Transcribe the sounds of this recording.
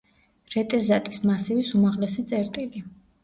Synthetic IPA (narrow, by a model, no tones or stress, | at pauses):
ɾɛt̪ʼɛzat̪ʼismasivisumaʁlɛsit̪sʼɛɾt̪ʼili